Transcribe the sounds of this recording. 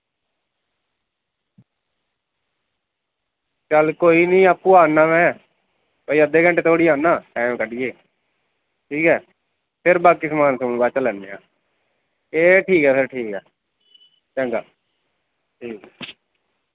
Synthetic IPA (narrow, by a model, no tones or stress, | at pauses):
t͡ʃəlkoːiːnĩːaːpːũːaːnaːmɛ̃ː | pəiːəd̪ːeːɡə̃ɳʈeːt̪ʰoːɽiːaːnːaːʈaːmkəɖɪjeː | ʈʰiːkɛː | pʰɪɾbaːkɪsmaːnsəmũːbaːt͡ʃːlɛːnːeːã̰ː | eːʈʰiːkɛːpʰɪɾʈʰiːkɛː | t͡ʃɛ̃ŋɡa̰ː | ʈʰiːkɛː